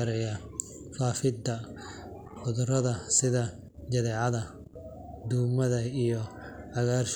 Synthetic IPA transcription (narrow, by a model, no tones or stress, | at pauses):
ɐɾɛjɐ | faːfɪd̪ɐ | ħʊðʊɾɐðɐsɪðɐ | d͡ʒɐðɛːʕɑðɐ | d̪uːmɐðɐijɔ | ʕɑɣaːrʃ